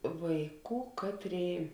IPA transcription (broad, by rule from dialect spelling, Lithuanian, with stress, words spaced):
ˈʋɐɪˌkuː ˈkɑːˌtʲrʲeːɪ